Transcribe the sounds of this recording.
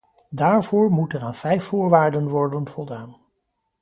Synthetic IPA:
daːɹvʊːɹmutənaːnv̥ɛjfʊːɹʋaːɹdənʋɔɹdənv̥ɔlˠdaːn

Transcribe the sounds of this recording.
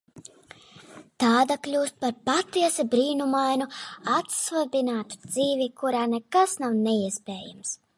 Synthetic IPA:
t̪aːd̪aklʲuːst̪̚paɾpat̪iɛsɛbɾiːnumajnuat̪svabinaːt̪u̥d̪ziːvikuɾaːnɛkasnawnɛiɛspɛːjams

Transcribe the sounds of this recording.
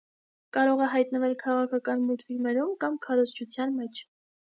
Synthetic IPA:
kɑɾɔʁɛɦɑjt̪nəvɛlkʰɑʁɑkʰɑkɑnmut̪filmɛɾumkɑmkʰɑɾɔzt͡ʃʰut͡sʰjɑnmɛt͡ʃʰ

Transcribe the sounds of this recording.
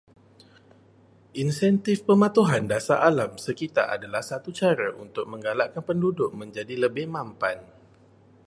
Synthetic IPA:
ʔinsɛnt̪ɪfpəmãt̪uɦandasaʔalamsəkit̪a̰ʔa̰dalahsat̪ut͡ʃaɾaʔunt̪ʊk̚mə̃ŋɡalaʔkanpəndudʊk̚mə̃ɲd͡ʒadiləbɪhmampan

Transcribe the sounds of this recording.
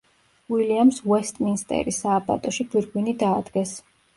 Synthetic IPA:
wiliamswɛst̪ʼminst̪ʼɛ̰ɾisaːbʼa̰t̪ʼɔʃibiɾɡwinid̪aːd̪ɡɛs

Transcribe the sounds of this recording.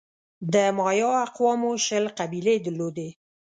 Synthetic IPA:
d̪əmɑjɑaqwɑmoʃəlqabiled̪əɾlod̪e

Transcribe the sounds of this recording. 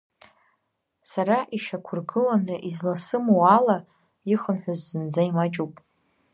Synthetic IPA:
saɾaʔiʃakʷʰʊrɡɨlanaʔizlasɨmuwala | iχənħʷᶣazːɨnd͡zaimat͡ʃʼupʼ

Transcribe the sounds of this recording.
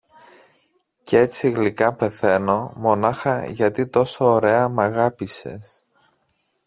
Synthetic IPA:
cee̞t͡siɣlikɐpe̞θe̞no̞mo̞nɐxɐʝɐt̪it̪o̞soːɾe̞ɐmɐɣɐpise̞̰s

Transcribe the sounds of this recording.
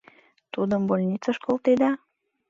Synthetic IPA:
t̪ud̪əmbolʲnʲit̪t͡sɑʃkolˠt̪ed̪ɑ

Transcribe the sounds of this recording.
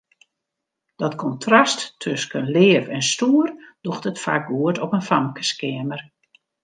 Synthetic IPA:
d̥ɔtkʰɔntʰrasttʰːøskənlɪːvɛnstuərd̥uxtətfa̰ːk̚ɡuətɔpənfamkə̥skɪəmər

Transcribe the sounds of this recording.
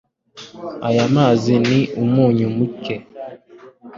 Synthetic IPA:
ajamaːziniʔumuːɲumuke

